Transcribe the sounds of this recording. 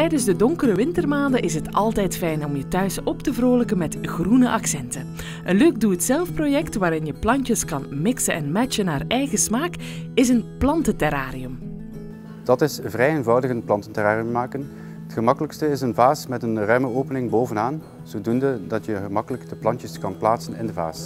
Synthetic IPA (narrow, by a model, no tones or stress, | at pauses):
tɛjdənzdədɔŋkəɾəʋɪntərmaːndəʔɪsɦətɑlˠtɛjtfɛjnɔmjətœɥsɔptəvroːləkənmɛtɣrunəʔɑksɛntə | ʔənløːk̚duətsɛlˠfprojɛktʋaːɾɪnjəplɑnjəskɑnmɪksəʔɛnmɛt͡ʃənaːrɛjɣəsmaːkɪzənplɑntətɛɾaːɾiɵm | d̥ɑtɪsvrɛjenvɑwdəɣənplɑntəntɛraːriəmːaːkən | ətxəmɑkələkstəɪsənvaːsmɛtənrœɥməoːpənɪŋboːvənaːn | z̥oːdundədɑtjəɣəmɑkələkd̥əplɑntəskɑnplaːtsənɪ̰ndəva̰ːs